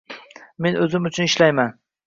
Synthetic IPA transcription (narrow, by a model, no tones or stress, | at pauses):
me̞nʔɵzɪmʊt͡ʃʰʊnɪʃlajman